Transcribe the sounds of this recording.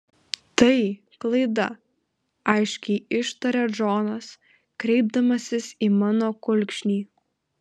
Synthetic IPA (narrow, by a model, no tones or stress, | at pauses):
t̪ɐɪ | klˠɐɪd̪ɐ̰ | ɐɪʃʲkʲɛɪɪʃt̪ɐɾʲɛd͡ʒoːnɐs | kɾʲɛɪb̚d̪ɐmɐsʲɪsiːmɑːnoːkʊlʲkʃʲnʲiː